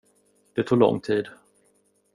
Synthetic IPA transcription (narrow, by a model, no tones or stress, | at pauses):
d̪̥ɛt̪ʰuːɡɭɔ̰ŋːt̪ʰiːd̪